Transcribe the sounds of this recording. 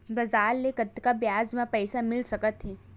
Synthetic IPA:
bɐzaːɾːekət̪ːkabjaːzmãpɛɪsamɪlsɐkət̪ɦiː

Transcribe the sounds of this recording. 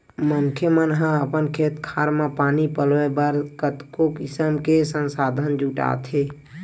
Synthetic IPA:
mənkʰemənɦãəpənkʰet̪kʰaɾmẽpaːnipəlʋebəɾkət̪kokisəmkesənsaːd̪ʱənd͡ʒuʈa̰t̪ʰe

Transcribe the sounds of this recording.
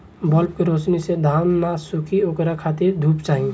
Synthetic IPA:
bɔːlp̚kiɾoːt͡ʃnised̪ʱaːmːasʊkʰioːkɾakʰaːt̪ɪɾd̪ʱuːpt͡ʃaːɦĩ

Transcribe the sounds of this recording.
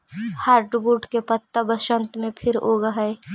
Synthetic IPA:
haːɾɖbuːʈkepət̪ːabəʃə̃nt̪mẽpʰɪɾoːɡaɦe

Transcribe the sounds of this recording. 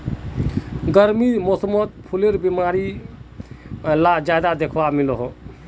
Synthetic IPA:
ɡəɾmimosəmət̪̚pʰuleɾbimaɾi | lad͡ʒad̪ad̪ekʰʋamiloɦ

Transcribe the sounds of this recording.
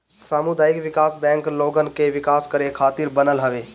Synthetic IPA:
saːmud̪aːɪkʋɪkaːsbɛ̃ːŋkloːɡənɪ̆kʰeʋɪkaːskɐɾekʰaːt̪iɾbɐnəlɦɐʋeː

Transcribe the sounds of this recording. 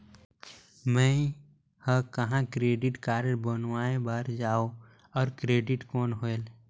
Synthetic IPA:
mɛ̃ | həkəɦãkɾeːɖɪʈkaːɾebənwaːẽbaːɾd͡ʒaːo | ɔːɾkɾeːɖɪʈkɔːnɦoel

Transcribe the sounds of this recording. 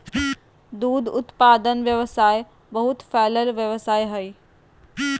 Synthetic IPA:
d̪uːd̪ʊt̪paːd̪ənʋjɐʋəsaːe | bɐɦʊt̪fɛːləlʋjɐʋsaːeɦɐiː

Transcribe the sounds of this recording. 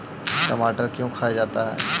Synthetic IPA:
kɐmaːʈəɾkjõkʰaːjad͡ʒaːt̪aɦɛ̰ː

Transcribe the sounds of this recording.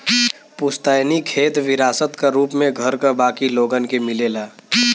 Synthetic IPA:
pʊst̪anikʰeːt̪ʋɪɾaːsət̪kaɾuːpmẽɡʱəɾkabaːkiloːɡənkemɪleːlaː

